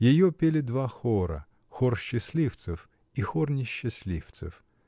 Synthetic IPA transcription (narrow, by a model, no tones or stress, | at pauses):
jɪjɔpʲelʲɪd̪vaxɔɾɐ̰ | xɔrɕːɪsʲlʲift̪sɨf | ixɔrnʲɪɕːɪsʲlʲift̪sɨ̰f